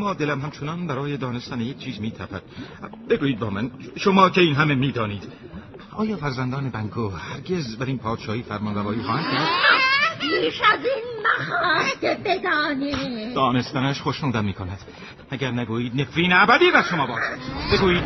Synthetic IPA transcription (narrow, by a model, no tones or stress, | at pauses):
mɒːd̪e̞læmhæmt͡ʃʰo̞nɒnbæɾɒːjed̪ɒːne̞st̪ænejek̚ʰt͡ʃʰiːzmiːt̪ʰæ̰pʰæd̪̚ | be̞ɡuːiːd̪̚bɒːmænʃomɒːcʰe̞iːnɦæme̞miːd̪ɒːniːd̪̥ | ɒːjɒːfæɾzænd̪ɒːnebæŋɡʰoːhæɾɡe̞zbæɾiːnpʰɒːd̪̥ʃɒːhiːfæɾmɒnvævɒːiːxɒːhænd̪kʰæɾd̪̥pʰiːʃæzinmæhɒːk̪ebed̪ɒːnid̪ɒːne̞st̪ænæʃχoʃnuːd̪æmmiːkʰonæd̪̥ | æɟæɾnæɡuːjiːd̪̚ne̞fɾiːneæbæd̪iːbæɾʃo̞mɒːbɒːʃbe̞ɡuːiːd̪̚